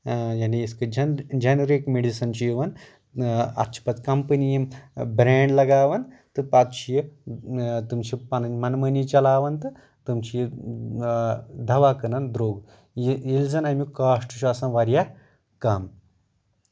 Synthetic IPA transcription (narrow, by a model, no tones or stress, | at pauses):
janiiskɨd͡ʒɐnd͡ʒɐnɾikmeɽisɐnt͡ɕijʋɐn | ɐ̰t͡ʃʰi̥pɐt͡skɐmpənijimbɾeɳɖlɐɡaːʋɐn | t̪ɨpat͡sɕijə | t̪umt͡ɕipɐnɐnmɐnmɐnit͡ʃɐlaːʋɐnt̪ɨ | t̪umt͡ɕij | d̪ʱɐʋakɐnɐnd̪ɾoːɡ | ild͡zɐnamikaːʂʈuɕuɐsãnʋaɾja | kam